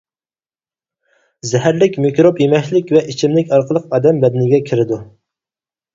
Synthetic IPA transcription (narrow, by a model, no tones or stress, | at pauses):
zɛɦæɾlɪkʲmɪkʲɾopjemɛkʲlɪkʲvɛʔit͡ʃʰimlɪkʲɑɾqʰəlˠəqɑːd̪ɛmbɛd̪ɛnɪɡʲɛkʲʰɪɾɪd̪u